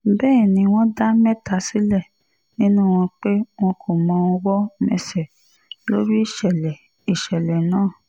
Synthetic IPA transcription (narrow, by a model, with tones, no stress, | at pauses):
bɛː˦˨nĩ˧w̃ɔ̃˦da˦mɛ̃˦ta˧si˦lɛ˦˨ | nĩ˦nũ˦˨w̃ɔ̃˧k͡pe˦w̃ɔ̃˧kʰo˨mɔ̃˧wɔ̃˧wɔ˦mɛ̰˧sɛ˨ | lo˦ɾi˦i˦˨ʃɛ˨lɛ˨ | i˨ʃɛ˨lɛ˨nãː˦˨